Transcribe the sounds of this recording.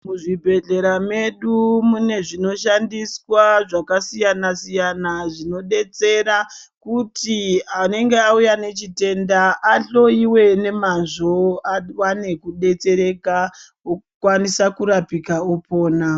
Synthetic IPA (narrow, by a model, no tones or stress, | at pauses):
muʐibʱe̞ɮe̞ɾame̞ɗumune̞ʐino̞ʃandiswaʐakasijanasijanaʐino̞ɗe̞t͡se̞ɾakutiane̞ŋɡe̞aujane̞t͡ʃite̞ndaʔːɬo̞iwe̞ne̞manʐo̞awane̞kuɗe̞t͡se̞ɾe̞ka | okwanisakuɾapikaopʰo̞ːna